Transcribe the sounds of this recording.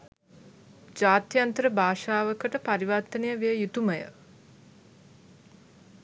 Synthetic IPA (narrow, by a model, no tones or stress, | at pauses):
d͡ʒaːt̪jant̪əɾəbʱaːʃaːʋəkəʈəpaɾiʋat̪ːənejəʋejəjut̪uməjə̰